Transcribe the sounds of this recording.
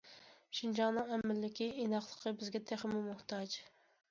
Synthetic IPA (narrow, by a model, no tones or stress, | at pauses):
ʃind͡ʒɑŋnɨŋɛmːɪlːɪkʲiʔinɑχlˠəqʰəbɪzɡʲɛt̪ʰæχɪmʊmʊht̪ɑd͡ʒ